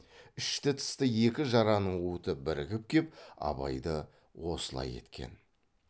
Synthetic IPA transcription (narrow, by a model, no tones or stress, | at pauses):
ʏʃt̪ɪt̪ʰə̥st̪əjekʲɪʒɑɾɑnəɴut̪əbɪɾɪkʲɪp̚kʲep̚ɑ̰bɑ̰jd̪ə | wo̞səlˠɑ̰je̞̰t̪kʲʰe̞̰n